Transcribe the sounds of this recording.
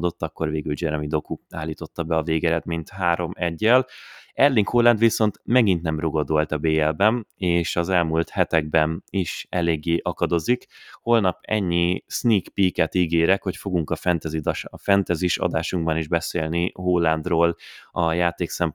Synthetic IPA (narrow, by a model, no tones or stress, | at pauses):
d̪o̞t̪ːɒkːo̞rveːɡyld͡ʒɛɾmid̪o̞kuaːlːiːt̪o̞t̪ːɒbɛɒveːɡɛɾɛd̪miɲt̪haːɾo̞mɛɟːɛlɛrliŋkhoːlːɛnd̪ʋiso̞nt̪mɛɡint̪nɛmroɡo̞d̪olt̪ɒbeːɛlbɛmeːʃɒzɛlmult̪hɛt̪ɛɡ̚bɛniʃɛleːɡːeːʔɒkɒd̪o̞zikho̞lnɒpɛ̰ɲːisniːkpiːkɛt̪iːɡeːɾɛkho̞cfo̞ɡuŋkɒfɛnt̪ɛzid̪ʃfɛnt̪ɛziʃɒ̰d̪aːʃuŋɡbɒniʒbɛseːlniɦoːlːand̪roːlɒjaːt̪eːksɛmp